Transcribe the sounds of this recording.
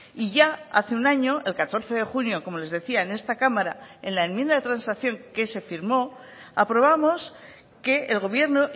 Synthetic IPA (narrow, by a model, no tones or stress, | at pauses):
iʝaaθeunaɲo̞ʔe̞lkat̪o̞ɾθe̞ðe̞xunjo̞ko̞mo̞le̞zðe̞θiaene̞st̪akamaɾae̞nlae̞mjend̪aðe̞t̪ɾansakθjo̞ŋke̞se̞fiɾmo̞ | apɾo̞β̞amo̞s | ke̞ːlɣo̞β̞je̞ɾno